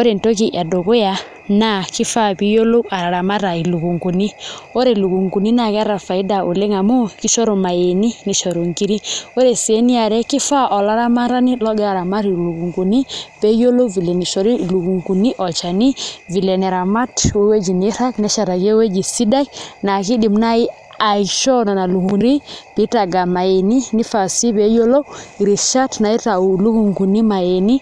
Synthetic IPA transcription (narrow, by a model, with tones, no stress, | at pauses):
o˦ɾe˨nto˦ki˨ʔa˨do˨ko˦ja˨ | na˦ki˦fa˦pi˦jo˦lo˦a˨ɾa˨ɾa˨ma˦ɾa˨i˨lu˨ku˨ŋɡu˨ni˦o˦ɾe˨lu˨ku˨ŋɡu˨ni˦na˨kɛ˦ɾa˨fa˨i˦da˨u˨le˦ŋa˨mu˦ki˦ʃɔ˦ɾo˨ma˨je˨ni˦ni˨ʃɔ˨ɾo˨ŋki˦ɾi˦o˦ɾe˨se˨˦ni˦a˨ɾɛ˦ki˦fa˦ʔɔ˨la˦ɾa˦ma˦ɾa˦ni˦lɔ˦ɡɛ˦a˨ɾa˨ma˦ɾi˨lu˨ku˨ŋɡu˨ni˦pɛ˦jo˦lo˦vi˨lɛ˨ni˨ʃɔ˨ɾi˦lu˨ku˨ŋɡu˨ni˦ʔɔ˨t͡ʃa˨ni˦vi˨lɛ˨nɛ˨ɾa˨ma˦twɛ˦we˦d͡ʒi˨ni˦ɾa˦knɛ˦ʃa˨ɾa˨ke˦we˦d͡ʒi˨si˦da˦kna˨ki˦ɗi˨mna˦i˦ | a˨iʃɔ˦na˨na˨lu˨ku˨ɾi˦pi˨˦ta˨ɡa˨ma˨je˨ni˦ni˦fa˨si˦pɛ˦jo˦lo˦˨ɾi˨ʃa˦tna˨i˦ta˨u˨lu˦ku˨ŋɡu˨ni˦ma˨je˨ni˦